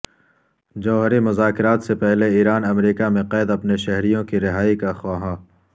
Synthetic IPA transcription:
d͡ʒɐːɦəɾimʊzaːkɪɾaːt̪sepɛɦleiːɾaːnɐmɾiːkamẽqɛːd̪ɐpneʃɐɦɾijõkiɾɪɦaːikaxaːɦãː

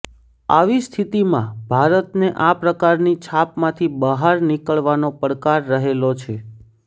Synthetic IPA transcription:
aʋist̪ʰit̪imãbʱaɾət̪neʔapɾəkaɾnit͡ʃʰapmãt̪ʰibəɦaɾnikəɭʋanopəɾkaɾːəɦelot͡ʃʰe

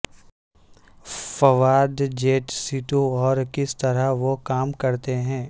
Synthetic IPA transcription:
fɐʋaːd̪d͡ʒeːʈsiːʈõɔːɾkɪst̪ɐɾaʋokaːmkɐɾt̪eɦɛ̃ː

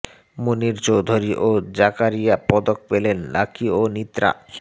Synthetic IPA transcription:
muniɾt͡ɕowd̪ʱoɾiʔod͡ʑakaɾijapɔd̪ok̚pelenlakʰionit̪ɾa̰

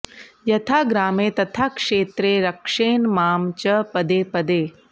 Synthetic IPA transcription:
jɐt̪ʰaːɡɾaːmeːt̪ɐt̪ʰakʂeːt̪ɾeːɾɐkʂeːnmaːmt͡ʃɐpɐd̪eːpɐd̪eː

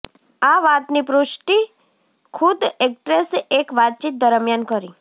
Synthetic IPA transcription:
aʋat̪nipɾuʃʈi | kʰud̪ekʈɾesekʋat̪̚t͡ʃit̪̚d̪əɾəmjankəɾi

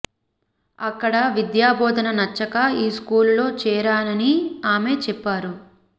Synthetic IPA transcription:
ɐkːɐɽɐʋid̪jaːbɔːd̪ɐnɐnɐt͡ʃːɐkɐiːskuːlulo̞ːt͡ʃɛːɾaːnɐniaːme̞ːt͡ʃɛpːaːɾu

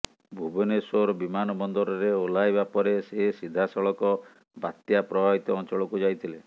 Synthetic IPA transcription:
bʱubɔnesoɾɔbimanɔbɔnd̪ɔɾɔɾeolajbapɔɾesesid̪ʱasɔɭɔkɔ | bat̪japɾɔbʱabit̪ɔɔnt͡ʃɔɭɔkud͡ʒajt̪ʰile

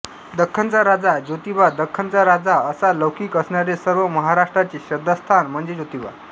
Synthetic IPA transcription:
d̪əkʰːənt͡saɾad͡zad͡ʑot̪iʋad̪əkʰːənt͡saɾad͡zaəsaləwkiːkəsɳaɾesəɾʋəməɦaɾaʂʈɾat͡ɕiɕəd̪əst̪ʰanm̤əɳd͡zed͡ʑot̪iʋa̰

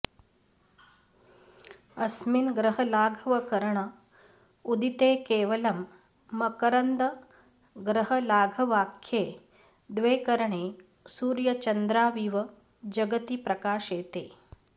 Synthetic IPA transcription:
ɐsminɡɾɐɦɐlaːɡʱɐʋɐkɐɾɐɳɐ | ud̪it̪eːkeːʋɐlɐmː | ɐkɐɾɐnd̪ɐ | ɡɾɐɦɐlaːɡʱɐʋaːkʰjeː | d̪ʋeːkɐɾɐɳeː | suːɾjɐt͡ʃɐnd̪ɾaːʋiːʋɐ | d͡ʒɐɡɐt̪ipɾɐkaːʃeːt̪ḛː

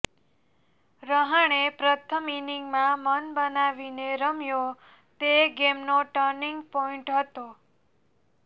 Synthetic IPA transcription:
ɾəɦəɳ̃epɾət̪ʰəminiŋɡmãmənbənaʋineɾəmjo | t̪eɡemnoʈəɾniŋɡpɔĩɳʈɦət̪o

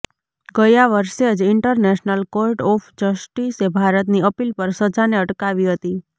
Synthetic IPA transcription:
ɡəjaʋəɾʃed͡ʒɪɳʈəɾnɛʃnəlkoɾʈɔfʰd͡ʒəsʈisebʱaɾət̪niəpilpəɾsəd͡ʒaneəʈkaʋiɦət̪i

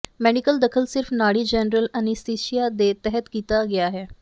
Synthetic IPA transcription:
mɛːɖɪkəld̪əkʰəlsɪɾfʰnaːɽiːd͡ʒɛːnɾələnist̪eːʃijaːd̪eːt̪ɛɦət̪kiːt̪aːɡɪaːɦɛː

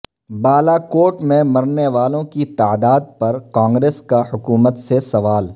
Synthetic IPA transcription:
baːlakoːʈmẽmɐɾneʋaːlõkit̪aːd̪aːd̪̚pɐɾkãːŋɡɾeːskahʊkuːmət̪sesɐʋaːl

